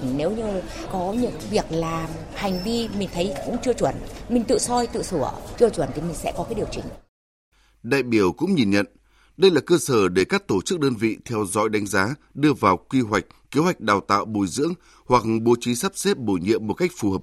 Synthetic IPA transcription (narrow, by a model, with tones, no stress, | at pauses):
ŋne˨˦wɲɨ˧ | kɔ˨˦ɲɨ̰˧˥ŋvi˨˩ək̚laː˨˩m | ha˨˩jŋ̟vi˧mï˨˩ŋ̟t̪ʰə˨˦jkʊ̰˧˥ŋ͡mt͡ɕɨ˧ət͡ɕwə˧˩nmï˨˩ŋ̟t̪ɨ̰˧˨sɔ˧jt̪ɨ̰˧˨sɨ˧˩ət͡ɕɨ˧ət͡ɕwə˧˩nt̪ʰi˨˩mï˨˩ŋ̟sɛ̰˧˥kɔ˨˦kaː˨˦jɗi˨˩əwt͡ɕï˧˩ŋ̟ | ɗa̰ː˧˨jɓi˧˩əwkʊ̰˧˥ŋ͡mɲi˨˩nɲə̰˧˨n | ɗə˧jlaː˨˩kəː˧səː˧˩ɗe˧˩kaː˦˥k̚t̪o˧˩t͡ɕɨ˦˥k̚ɗəː˧nvḭ˧˨t̪ʰɛ˧wzɔ̰˧˥jɗa˨˦jŋ̟zaː˨˦ | ɗɨ˧əvaː˨˩wkwi˧ɦwa˨˩jk̟̚kːe˨˦hwa˨˩jk̚ɗaː˨˩wt̪a̰ː˧˨wɓo˨˧˩jzɨ̰˧˥əŋ | hwa˨˩k̚ɓo˨˧t͡ɕi˨˦saː˦˥p̚se˦˥p̚ɓo˧˩jɲḭ˧əmːo˨˩t̚ka˦˥jk̟̚fu˨˩həː˨˩p̚